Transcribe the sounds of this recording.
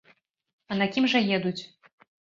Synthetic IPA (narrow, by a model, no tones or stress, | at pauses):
ɐnɐkʲimʐɐjɛd̪ut͡sʲ